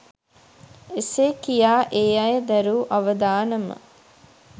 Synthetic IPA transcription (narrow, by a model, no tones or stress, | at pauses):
eseːkijaːʔeːɐjəd̪æɾuːʔaʋəd̪aːnəmə̰